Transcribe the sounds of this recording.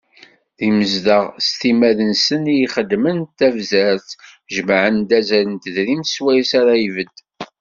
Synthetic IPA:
ðiməzd̪əʁst̪imæðənsənijiχəd̪ːmənt̪ːævzæɾθʒəmʕənd̪æzæɾənt̪əðɾimswæjsaɾaivəd̪

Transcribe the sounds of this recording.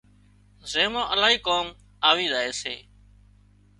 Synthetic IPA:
zeːmãːʔəlaːɦiːkoːm | aːʋiːzaːeːsḛː

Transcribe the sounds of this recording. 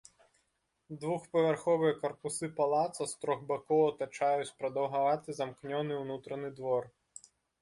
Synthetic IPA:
d̪ʋuxpɐvʲarxɔvɨjɐkɐrpusɨpalˠat̪sɐst̪ɾɔɣbakɔwɐt̪ɐt͡ʂajut͡sʲpɾɐd̪ɐwɦɐvat̪ɨzɐmknʲɔnɨwnut̪ɾɐnɨd̪ʋɔr

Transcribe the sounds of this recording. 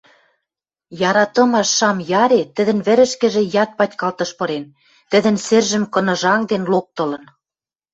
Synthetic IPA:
jɑɾɑt̪ɤ̆mɑʃːɑmjɑɾet̪ə̆d̪ə̆nβɘ̆ɾɘ̆ʃkɘ̆ʒĕjɑt̪̚pɑtʲkɑlt̪ɤ̆ʃpɤ̆ɾen | t̪ə̆d̪ə̆nsĕrʒə̆mkɤ̆nɤ̆ʒɑŋd̪enlok̚t̪ɤ̆lɤ̆n

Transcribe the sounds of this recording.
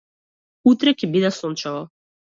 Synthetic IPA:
ut̪ɾɛkʲɛbid̪asɔnt͡ʃavɔ

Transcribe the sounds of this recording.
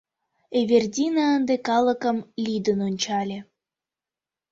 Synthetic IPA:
eβʲerd̪ʲinɑənd̪ekɑlə̆kə̆mlʲid̪ənonʲt͡ɕɑlʲe

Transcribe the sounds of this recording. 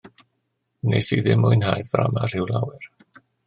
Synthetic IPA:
nejsiðɪmʊɨnhajθra̰mar̥ɪwlˠawɛr

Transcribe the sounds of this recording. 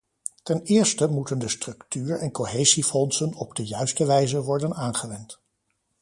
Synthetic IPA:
tɛnɪːɹstəmutəndəstrɵktyːɹɛnkoɦejzifɔnsənɔb̚dəjœɥstəʋɛjzəʋɔɹdənaːnχəʋɛnt

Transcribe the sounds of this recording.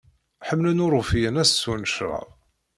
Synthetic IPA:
ħəmːlənʊɾˤʊfijənæssunəʃɾˤɑ̰ðˤ

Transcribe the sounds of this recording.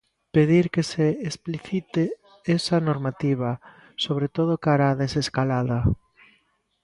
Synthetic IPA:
peðiɾkeseːspliθit̪e | esɐnoɾmat̪iβɐ | soβ̞ɾet̪oð̞okaɾaːðeseskalaðɐ

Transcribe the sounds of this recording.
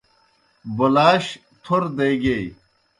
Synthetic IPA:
bolaːɕ | t̪ʰoɾd̪ejɡej

